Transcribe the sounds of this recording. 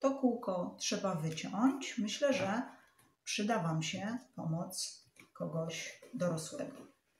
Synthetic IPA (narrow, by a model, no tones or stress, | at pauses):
t̪ɔkuwkɔtʂɛbavɘt͡ɕɔɲt͡ɕmɘɕlɛʐɛ | pʂɘd̪avamɕɛpɔmɔt̪s | kɔɡɔɕd̪ɔɾɔswɛ̰ɡɔ